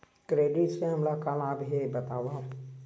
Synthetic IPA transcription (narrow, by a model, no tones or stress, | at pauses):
kɾeːɖɪʈseɦɐmlakalaːbɦebət̪aːʋa